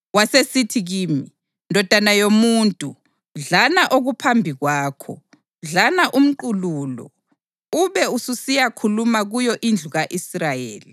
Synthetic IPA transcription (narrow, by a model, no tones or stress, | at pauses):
wasesitʰiɣiːmi | ndʱɔd̥ʱanajomuːntʼu | ɮanaʔoɣupʰambʱiɣwaːkʰɔ̰ | ɮanaʔum̩ǃululɔ̰ | uβɛususijakʰulumaɣujɔʔind͡ɮʱuɣaʔisrajḛːli